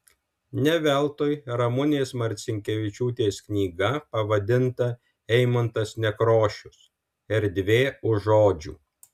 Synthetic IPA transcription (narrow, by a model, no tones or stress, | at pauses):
nʲɛʋʲɛlˠt̪oːjɾɐmʊnʲeːsmɐɾʲt̪sʲɪŋʲkʲɛʋʲɪt͡ʃʲuːt̪ʲeːsknʲiːɡɐpɐʋɐd̪ʲɪnt̪ɐ | ɛɪmɐnt̪ɐsnʲɛkɾoːʃʲʊs | ɛɾd̪ʲʋʲeːʊʒoːd͡ʒʲṵː